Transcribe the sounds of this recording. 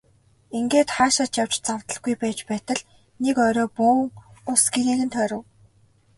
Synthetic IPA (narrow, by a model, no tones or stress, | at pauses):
iŋɡeːt̪χaːʃaːt͡ɕjaw̥t͡ɕt͡sawt̪ə̆ɮɡujpæːt͡ɕpæːt̪ə̆ɮ | nekœːɾɔːpuːŋʊsɡeɾiːɣɘ̆nt̪ʰœːɾə̆w